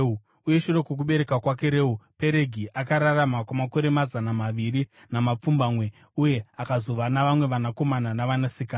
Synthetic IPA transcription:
u | uje̞ʃuɾe̞kwek̬uɓe̞ɾe̞kakwak̬e̞ɾe̞ːupe̞ɾe̞ɡʱiʔakaɾaramakwamako̞ɾe̞mazanamaʋiri | namap͡fumbamwe̞ | uje̞akazo̞ʋanaʋamwe̞ʋanako̞mananaʋanasikaː

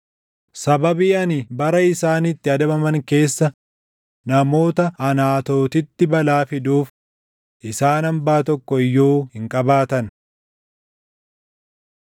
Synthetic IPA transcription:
sɐbɐbiːɐnibɐɾɐɪsaːnɪt̪ːɪɐd̪ɐbɐmɐŋke̞ːsːɐ | nɐmo̞ːt̪ɐːnaːt̪o̞ːt̪ɪt̪ːɪbɐlaːfɪd̪uːf | ʔɪsaːnɐmbaːt̪ɔkːɔɪjːoːhɪŋkʼɐbaːt̪ɐn

